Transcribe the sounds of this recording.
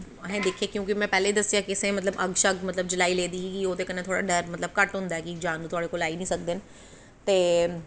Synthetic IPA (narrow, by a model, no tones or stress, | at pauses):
ɐɦẽd̪eːkʰiekjũːkimɛ̃pɛːleid̪ɐsijãkɪsẽmɐt̪ləbɐɡʃɐɡmɐt̪ləb̚d͡ʒɪlaːileːd̪iikioːt̪ekɐnẽt̪ʰoːɽa̰ɖɐɾmɐt̪ləb̚kɐʈɦʊ̃ːnd̪aɦɛkid͡ʒãːnd̪ut̪ʰʊaːɽekoːlaːinĩːsɐk̚d̪ɪnɪ | t̪eː